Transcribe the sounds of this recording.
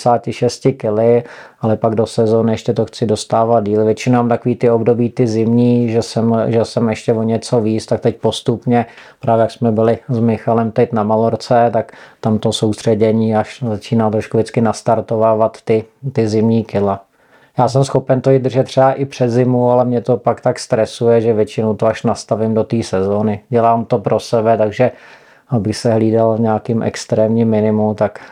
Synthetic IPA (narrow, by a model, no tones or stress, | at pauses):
saːcɪʃɛscɪkɪlɪ | alɛpaɡdo̞sɛzoːnɪjɛʃcɛt̪oxt͡sɪdo̞st̪aːvad̪̚diːlvjɛt͡ʃɪnomaːmt̪akoviːt̪ɪobdobiːt̪ɪzɪmɲiːʒɛsɛmʒɛsɛmjɛʃcɛvoɲɛt͡so̞viːt͡st̪ak̚t̪ɛc̚po̞st̪upɲɛpɾʔaːvjɛjaksmɛbɪlɪzmɪxalɛmt̪ɛcnamaloɾt͡sɛt̪akt̪amt̪osowst̪r̝̥ɛɟɛɲiːaʃzat͡ʃiːnaːt̪ɾoʃkuvɪt͡skɪnast̪aɾt̪ovaːvat̪ːɪt̪ɪzɪmɲiːkɪla | jaːs̬ɛmsxopɛnt̪oid̪r̩ʒɛt̪ːr̥ɛaʔɪpr̥ɛd̪zɪmualɛmɲɛt̪o̞pakt̪akst̪ɾɛsujɛʒɛvjɛt͡ʃɪnowt̪oaʃnast̪avɪmdo̞t̪iːsɛzo̞ːnɪɟɛlaːmt̪o̞pɾʔo̞sɛbɛt̪aɡʒɛ | abɪxsɛɦliːdalvɲɛːkɪmʔɛ̰kst̪ɾɛːmɲɪmːɪnɪmumt̪ak